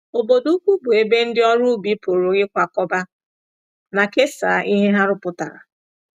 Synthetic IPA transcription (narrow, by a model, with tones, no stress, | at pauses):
o˨bo˨du˦kʷu˦bʊ˨e˨be˦n̩˦dɪ˦ɔ˦ɾu˦bi˦po˨ɾo˨ɡɪ˦kʷa˨kɔ˦ba˦ | na˨ke˦sa̰˨ʔi˦ɦe˦ɦa˦ɾʊ˨˦pʊ˨ta˨ɾa̰˨